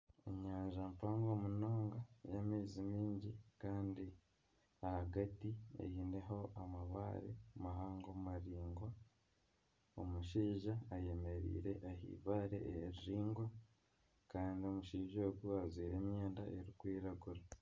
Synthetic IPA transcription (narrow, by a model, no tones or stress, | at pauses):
ḛɲaːɲʒampaːŋɡoːmuno̞ːŋɡajamiːzimiːɲɟikaːndi | ahaɡatiḛjiːne̞ɦo̞ʔamaβa̰ːɾḛmaɦaːŋɡomumaɾiːŋɡwa | omuʃiːʒaːje̞me̞ɾḭːɾe̞ʔahḭːβaːɾeʔeeɾiɾiːŋɡwa | kaːndio̞muʃiːʒoːɡuazwiːɾe̞ːmjeːndaʔeɾikwiːɾaɡuɾa